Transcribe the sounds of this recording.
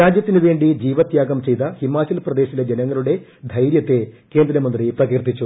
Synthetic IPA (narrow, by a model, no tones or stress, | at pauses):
ɾaːd͡ʑjɐt̪ːinuʋe̞ːɳɖid͡ʑiːʋɐt̪jaːɡɐmt͡ɕe̞jt̪ɐhimaːt͡ɕɐlprɐd̪e̞ːɕiled͡ʑenɐŋːɐɭuɽe̞d̪ʱɐjɾjɐt̪ːe̞ke̞ːnd̪ɾɐmɐnd̪riprɐɡirt̪it͡ɕːu